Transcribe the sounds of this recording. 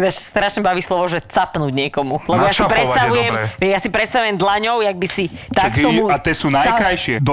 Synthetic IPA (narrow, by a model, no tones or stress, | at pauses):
d̪aʃst̪ɾaʃɲɛbaʋiːslɔʋɔʒɛt͡sapnuːɟɲɛkɔmulɛbɔjasipɾɛst̪aʋujɛmʋɛjasipɾɛt̪st̪aʋujɛmd̪laɲɔʊjaɡ̚bisit̪akt̪ɔmuat̪ɛːsuːnajkɾajʃɪɛd̪